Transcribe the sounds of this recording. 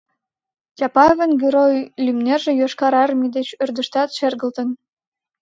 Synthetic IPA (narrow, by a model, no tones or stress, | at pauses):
tʲɑpɑvə̆nɡʲeɾojlʲymnerʒĕjoʃkɑɾɑrmid̪et͡ɕørd̪əʃt̪ɑt̪ʃerɣə̆lt̪ə̆n